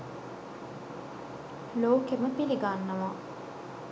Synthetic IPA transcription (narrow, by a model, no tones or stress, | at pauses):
loːkeməpiliɡanːəʋa